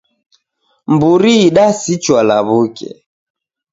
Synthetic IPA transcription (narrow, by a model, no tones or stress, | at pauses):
mbuɾiːɗasit͡ʃwalaβukɛ̰